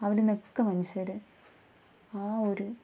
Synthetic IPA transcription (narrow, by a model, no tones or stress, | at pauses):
ɐʋɐlenekːɐmɐniɕɐɾɨ | aːoɾu